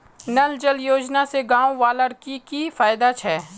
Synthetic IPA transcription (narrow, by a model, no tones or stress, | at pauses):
nɐld͡ʒəljoːd͡ʒnaseɡãːwʋaːləɾkikifaːjd̪at͡ʃʰɛː